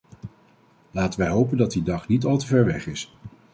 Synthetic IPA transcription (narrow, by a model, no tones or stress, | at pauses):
laːtənʋɛjɦowpəndɑt̚didɑχnitɑlˠtəvɛɹʋɛχɪs